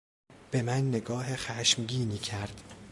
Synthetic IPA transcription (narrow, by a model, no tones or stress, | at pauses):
b̥e̞mænːe̞ɡɒːɦexæʃmɟiːniːcʰæɾd̪̥